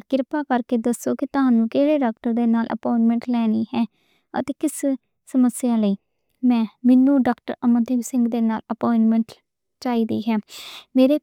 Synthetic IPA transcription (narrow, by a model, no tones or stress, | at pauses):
kɪɾpaːkəɾkeːd̪əsoːkɪt̪ʊɦãːnũːkeːɽeːɖaːk̚ʈəɾd̪eːnaːlʔə̰pɔːɪɳʈmɛ̃ɳʈlɛːniːɦɛː | ə̰t̪eːkɪs | səməsɪjãːləiː | mɛ̃ːmɪnːũːɖaːkʈəɾəmət̪ɪɡsɪ̃ŋɡd̪eːnaːləpɔːɪɳʈmɛ̃ɳʈ | t͡ʃaːiːd̪ḭːɦɛːmeːɾeː